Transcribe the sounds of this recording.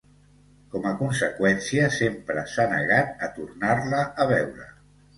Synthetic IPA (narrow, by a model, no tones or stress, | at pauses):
kɔməkunsəkwɛnsiəsempɾəsanəɣat̪̚ət̪urnarləːβɛwɾə̰